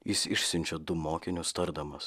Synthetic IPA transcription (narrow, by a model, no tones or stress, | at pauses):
jɪsɪʃʲsʲɪnʲt͡ʃʲod̪ʊmoːkʲɪnʲʊst̪ɐɾd̪ɐmɐs